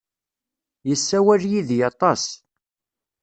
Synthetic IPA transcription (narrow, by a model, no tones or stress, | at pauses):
jəsːæwæljiðjɑt̪ˤɑs